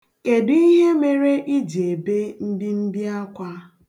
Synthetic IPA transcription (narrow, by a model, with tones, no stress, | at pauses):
ke˨di˦ɦe˦me˦ɾe˦ʔi˦d͡ʒe˨be˦n̩˦di˦m̩˦bi˦a˦kʷa˦